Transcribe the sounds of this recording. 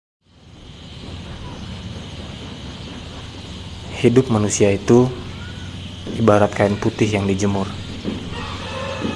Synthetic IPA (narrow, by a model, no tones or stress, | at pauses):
hidʊp̚manusiait̪u | ibaɾat̪̚kaɪnput̪ɪɦjaŋdid͡ʒəmʊr